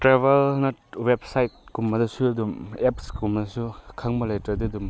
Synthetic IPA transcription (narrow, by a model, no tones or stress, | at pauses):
tɾeβelnɐwep̚sajt̚kumːɐdɐsuɐdumepskumɐdɐsukʰaŋbɐlajtɾɐdiɐdum